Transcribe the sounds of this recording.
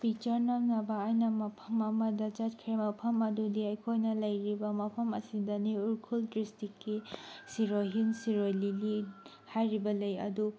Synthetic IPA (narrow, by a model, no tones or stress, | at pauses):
pik̚t͡ʃɐɾnaŋnɐbɐːjnɐmɐpʰɐmɐmɐdɐt͡ʃatkʰɾemɐpʰɐmɐdudiɐjkʰojnɐlɐjɾibɐmɐpʰɐmɐ̰sidɐniuɾkʰuldɾistikːisiɾoɦinsiɾojlili | hajɾibɐlɐjɐ̰du